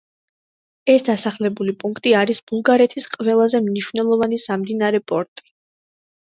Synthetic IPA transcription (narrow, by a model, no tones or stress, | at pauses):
ɛsd̪asaχlɛbulipʼuŋkʰt̪ʼiaɾisb̥ulˠɡaɾɛt̪ʰisqʼvɛlˠazɛmniʃvnɛlˠɔvanisamd̪inaɾɛpʼɔɾt̪ʼi̥